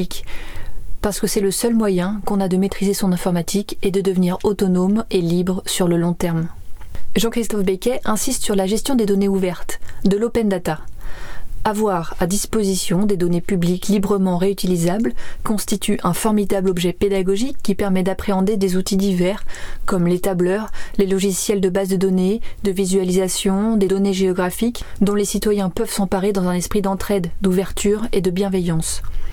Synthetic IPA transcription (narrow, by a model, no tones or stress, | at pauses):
ik | paʁsə̥kəsɛləsœlmwajɛ̃kɔ̃nad̪əmet̪χizesɔ̃nɛ̃fɔʁmat̪ʰiked̪əd̪əvniʁot̪ɔnomelibʁsyʁləlɔ̃t̪ɛʁm | ʒɑ̃kχist̪ɔfbekʲɛʔɛ̃sist̪syʁlaʒɛst̪jɔ̃d̪ed̪ɔneuvɛʁt̪d̪əlopɛnd̪at̪a | avwaʁad̪ispozisjɔ̃d̪ed̪ɔnepybliklibʁəmɑ̃ʁeyt̪ilizablkɔ̃st̪it̪ʰyʔɛ̃fɔʁmid̪ablɔbʒɛped̪aɡɔʒikːipɛʁmɛd̪apχeɑ̃d̪ed̪ezut̪id̪ivɛʁkɔmlet̪ablœʁlelɔʒisjɛld̪əbazd̪əd̪ɔned̪əvizɥalizasjɔ̃d̪ed̪ɔneʒeɔɡʁafikd̪ɔ̃lesit̪wajɛ̃pœv̥sɑ̃paʁed̪ɑ̃zɛ̃nɛspχid̪ɑ̃t̪χɛd̪d̪uvɛʁt̪ʰyʁed̪əbjɛ̃vɛjɑ̃s